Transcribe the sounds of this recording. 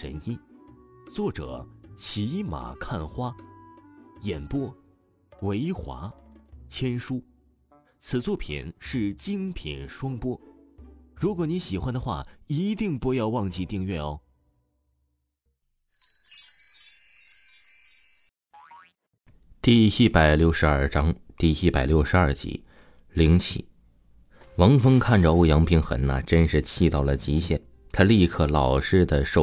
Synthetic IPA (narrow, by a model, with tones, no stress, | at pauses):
ə̰˧˥ni˥t͡swɔ˥˩ʈ͡ʂɤ̰˨˩˦t͡ɕʰi˧˥ma̰˨˩kʰa˥˩nxwa˥ | jɛ˨˩npwɔ˥ | we˧˥ɪxwa̰˧˥t͡ɕʰjɛ˥nʂu˥ | t͡sʰɹ̩˨˩t͡swɔ˥˩pʰḭ˨˩nʂɻ̩˥˩t͡ɕi˥ŋpʰḭ˨˩nʂwɑ˥ŋpwɔ˥ | ɻu˧˥kwɔ˨˥ni˧˥ɕi˨˩xwa˥nd̪ə˨xwa̰˥˩i˧˥t̪i˥˧ŋpu˥˧jɑ˥˧ʊwɑ˥˧ŋt͡ɕi˥˧t̪i˥˧ŋɥɛ˥˩ɔ˧˩ | t̪i˥˧i˥˩pa˨˩ɪljo˥˩ʊʂɻ̩˧˥ɐ˞˥˩ʈ͡ʂɑ˥ŋt̪i˥˧i˥˩pa˨˩ɪljo˥ʊʂɻ̩˧˥ɐ˞˥˩t͡ɕḭ˧˥˦ | li˧˥ŋt͡ɕʰḭ˧˩˦ | wɑ˧˥ŋfɤ˥ŋkʰa˥˩nʈ͡ʂə˩o˥˩jɑ˧˥ŋpʰi˧˥nxə̰˧˥nːə̰˨ʈ͡ʂə˥nʂɻ̩˥˧t͡ɕʰi˥˧t̪ɑ˥˩ʊlə˩t͡ɕi˧˥ɕjɛ˥˩n | t̪ʰa˥li˥˧kʰɤ˥˩lɑ˨˩ʊʂɻ̩˥˧d̪ə˨˩ʂo˥˩